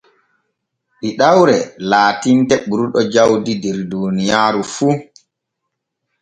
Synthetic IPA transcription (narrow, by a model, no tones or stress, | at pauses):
ɗiɗawɾɛlaːtintɛɓuɾuɗɔd͡ʒawdidɛɾdoːnijaːɾufu